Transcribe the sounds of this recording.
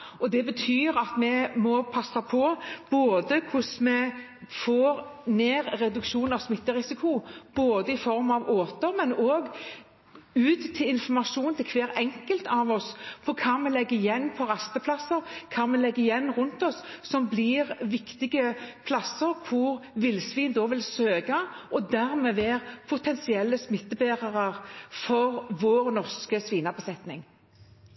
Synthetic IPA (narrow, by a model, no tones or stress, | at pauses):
ɔd̪ɛbət̪ʰyːɾɑt̪mɛmɔpʰɑsːɑpʰɔb̥oːd̪əkʰʊsmɛ | foːɾneːɾːɛd̪ʉkʂuːnɑʋsmɪt̪ːəʁɪsɪkʰʊb̥oːd̪əɪfɔɾmɑʋoːt̪əɾmɛnoːɡ | ʉːt̪ʰːɪlɪnfɔmɑʂuːnt̪ʰɪlkʰʋeːɾɛŋkəlt̪ɑʋɔspʰɔkʰɑːmɛlɛɡːəɪjɛnːpʰɔʁɑst̪əpʰlɑsəʁkʰɑːmɛlɛɡːəɪjɛnːʁʉnt̪ɔsːɔmbliːʁʋɪkt̪ɪɡəpʰlɑsːəʁkʰʊʁʋɪlsʋiːnd̪oːʋɪlsøːɡɑʔɔd̪æʁmɛːʋeːʁpʰʊt̪ʰɛnsɪɛlːəsmɪt̪ːəbeːʁɑʁɑʁfɔɾʋoːʁnɔʁskəsʋiːnɑʁbəsɛt̪nɪŋ